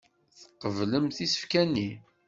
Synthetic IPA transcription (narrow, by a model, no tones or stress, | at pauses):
θə̥qːəvləmθisə̥fkænːi